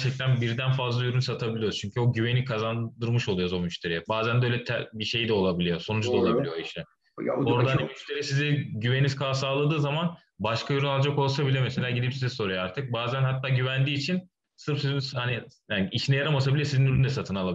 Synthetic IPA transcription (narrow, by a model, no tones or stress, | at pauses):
æɾt͡ʃʰɛc̚t̪ʰænbiɾd̪ænfazlˠajyɾynsat̪ʰabilʲijozt͡ʃʰyɲcʰyo̞ɟyβe̞nikʰazand̪ɯɾmɯʃo̞lˠujozomyʃt̪ʰe̞ɾijɛbaːzænd̪ɛølʲɛt̪ʰɛbiʃe̞jd̪ɛo̞lˠabilʲijo̞so̞nud͡ʒdlaolˠabilʲijoiʃɛ | o̞ɾd̪aɦanimyʃt̪ʰe̞ɾijsizɛɟyveniniz̥kʰaːsaːlˠad̪ɯːzaman | baʃkʰajoɾunalˠd͡ʒako̞lˠs̬abilʲiomese̞lʲaːɟid̪ipsizɛso̞ɾajaaɾt̪ʰɯk̚baːzænɦat̪ːaːɟyvænd̪iːt͡ʃʰin | sɯɾfsizinhanijaniʃnɛjaɾamasabilʲɛsizinylʲynd̪ɛsat̪ʰɯnalˠai